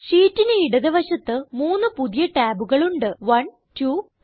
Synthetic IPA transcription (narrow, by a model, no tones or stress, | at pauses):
ɕiːtːineiɽɐðɐʋɐɕɐt̪ːɨmuːnːɨpuðijɐʈaːbuɣɐɭuɳɖɨʋɐn | tuː